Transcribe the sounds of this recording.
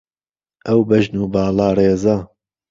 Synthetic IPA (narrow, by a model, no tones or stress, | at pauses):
ʔɐwbɐʒnuːbaːlaːreːza